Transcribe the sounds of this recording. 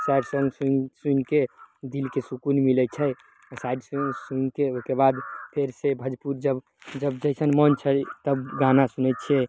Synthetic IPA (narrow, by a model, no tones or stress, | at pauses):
sajɖsə̃ŋɡsusunked̪ilkesukunmilɛt͡ʃʰɛ | sajɖsusunkeoɦkebad̪pʰeɾsebʱəd͡ʒpuɾd͡ʒəb | d͡ʒəbd͡ʒəɦsənmənt͡ʃʰɛt̪əbɡãnasunɛt̪̚t͡ʃʰɛ